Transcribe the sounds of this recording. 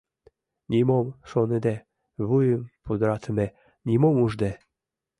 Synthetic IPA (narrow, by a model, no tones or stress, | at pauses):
nʲimomʃoned̪æ | βujəmpud̪əɾɑt̪əme | nʲimomuʒd̪e